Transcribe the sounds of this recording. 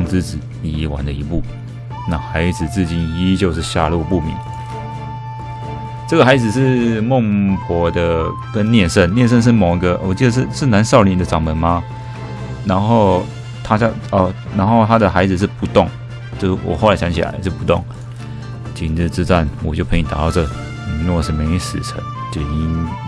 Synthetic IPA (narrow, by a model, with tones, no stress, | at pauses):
ŋt͡sɹ̩˥t͡sɹ̩˨˩ | i˨˩wa̰˨˩˦nd̪ə˨i˧˥pu˥˩ | na˥˩xa˧˥ɪd͡zɹ̩˨˩t͡s̩˥˩t͡ɕi˧˥ni˥t͡ɕjo˥˧ʊʂɻ̩˥˧ɕja̰˥˧lu˥˩pu˥˩mḭ˨˦ŋ | t͡sɤ˥˩ɡə˩xa˧˥ɪd͡zɹ̩˨˩ʂɻ̩˥˧mʊ˥˩ŋpʰwɔ˧˥d̪ə˧kə˦nnjɛ˥˧nʂə˥˩nnjɛ˥˧nʂ̬ə˥˧nʂ̬ɻ̩˥˩mo˨˩ʊi˧˥ɡə˧wɔ˨˩t͡ɕi˥˧d̪ə˧˩ʂ̬ɻ̩˥˩ʂɻ̩˥˩na˧˦nʂɑ˥˩ʊli˥˩nd̪ə˨ʈ͡ʂɑ˨˩ŋmə˨˦nma˧ | na˧˥nxo˥˧ʊ | t̪ʰa˥ɕɑ˥˧ɔ˨˩ | na˧˥nxo˥˩ʊt̪ʰa˥d̪ə˨xa˧˥ɪd͡zɹ̩˨˩ʂ̬̩˥˧pu˧˥t̪ʊ˥˩ŋ | t͡ɕjo˥˧ʊʂwʔɔ̰˨˩xo˥˩ʊla˧˥ɕɑ˧˥ŋt͡ɕʰḭ˨la̰˧˥ɪʂ̩˥˩pu˧˥t̪ʊ˥˩ŋ | t͡ɕi˨˩n˨˩t͡sɻ̩˥˧t͡sɻ̩˥˧t͡sa˥˩nwɔ˨˩t͡ɕjo˥˩ʊpʰe˧˥˧t̪a̰˨˩t̪ɑ˥˧ʊt͡sɤ˥˩ | ni˨˩ə˥˧˨ʂ̩˥˩me˧˥i˧˥ʂɹ̩̰˨˩t͡sʰə̰˧˦n | t͡ɕ̪ɛ˨˩ni˧˥n